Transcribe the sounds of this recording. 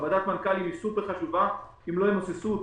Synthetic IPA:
vad̪at̪mankalimisupeʁχaʃuva | imlo̞hemosesu

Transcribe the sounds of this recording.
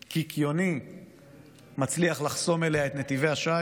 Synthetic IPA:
kikʰjo̞ni | mat͡sliaχlaχso̞me̞le̞aet̪ne̞t̪ive̞jhaʃa

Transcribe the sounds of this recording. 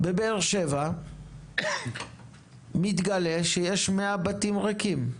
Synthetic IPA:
bebeːʁʃeva | mit̪ɡale̞ʃejeʃmeabat̪imʁakim

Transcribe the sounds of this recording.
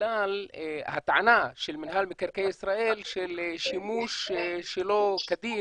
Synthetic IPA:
aːlhat̪ʕanaːʃɪlmɪnɦaːlmɪkaɾkejʔɪsɾaːʔiːlʃɪlʃɪmuːʃʃɪlokad̪iː

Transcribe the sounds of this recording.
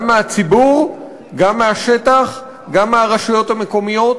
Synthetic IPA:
mːeat͡sibuʁ | ɡamːeaʃe̞taχ | ɡamːeaʁaʃujo̞t̪hame̞ko̞mijo̞t

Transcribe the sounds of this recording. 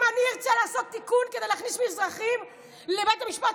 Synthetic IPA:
anieʁt͡ssalaːso̞t̪ːikunkedejlaχnismizʁaχim | lebejtamiʃpat

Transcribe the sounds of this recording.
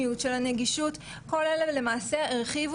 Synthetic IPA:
ijutʃelhaneɡiʃut | ko̞lelele̞maːseeʁχiv

